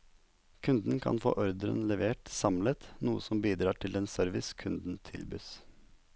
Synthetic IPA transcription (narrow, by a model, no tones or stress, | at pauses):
kʰʉnd̪n̩kʰɑ̰nfo̰ːʔɔɾd̪əɾə̰nlɛʋeːʈsɑmlət̪nuːəsɔmbiːd̪ɾɑːʈʰɪleːnsœɾʋɪskʰʉnd̪n̩t̪ʰɪlbyːs